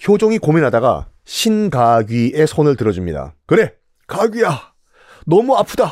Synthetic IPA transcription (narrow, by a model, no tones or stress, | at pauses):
çjod͡ʑoŋikominɦadaɡa̰ɕʰinɡaɡɥie̞sʰonɯɭtɯɾʌd͡ʑumɲḭda̰kɯɾe̞ | kaɡija | nʌmuapʰuda